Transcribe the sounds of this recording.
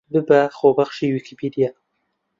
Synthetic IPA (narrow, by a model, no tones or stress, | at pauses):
bɨbɛxoːbaxʃiːwikʰipʰid̪ijaː